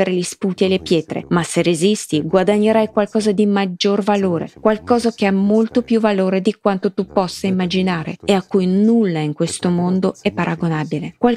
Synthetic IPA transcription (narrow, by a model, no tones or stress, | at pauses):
eɾeʎispuːt̪ielepjɛːt̪ɾḛmaserezist̪iɡwad̪aɲːeɾajkwalkɔːzad̪imad͡ʒːorvaloːɾḛkwalkɔːzakeamːolt̪opjuvaloːɾed̪ikwant̪ot̪upɔsːaimːad͡ʒinaːɾḛeakːujnulːaiŋkwest̪omond̪oɛpːaɾʔaɡonaːbilekwal